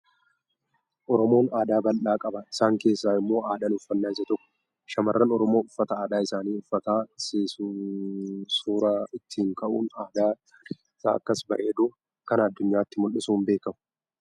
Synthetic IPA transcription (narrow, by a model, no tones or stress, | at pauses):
ʔɔɾɔmo̞ːnaːd̪aːbɐlʔaːkʼɐbɐɪsaːŋke̞ːsːaːɪmːo̞ːaːd̪ɐnʊfːɐnːaːɪsɐt̪ɔkːʊ̥ | ʃɐmɐrːɐnɔɾɔmo̞ːʊfːɐt̪ɐaːd̪aːɪsaːniːʊfːɐt̪aːse | suːɾaːɪt̪ːiːŋkɐʔuːnaːd̪aː | sa̰ːɐkːɐsbɐʔeːd̪uː | kɐnɐd̪ːʊɲːaːt̪ːɪmʊlːɪsuːmbe̞ːkɐmʊ̥